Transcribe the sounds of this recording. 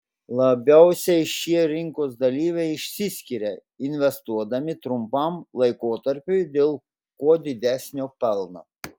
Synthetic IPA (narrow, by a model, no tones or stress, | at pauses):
lˠɐbʲɛʊsʲɛɪʃʲiɛɾʲɪŋkoːsd̪ɐlʲiːʋʲɛɪɪʃʲsʲɪsʲkʲɪɾʲɛ | ɪnʲʋʲɛst̪uɔd̪ɐmʲɪt̪ɾʊmpɐˑmlˠɐɪkoːt̪ɐɾʲpʲʊɪd̪ʲeːlˠ | kuɔd̪ʲɪd̪ʲæːsʲnʲoːpʲɛlˠno̰ː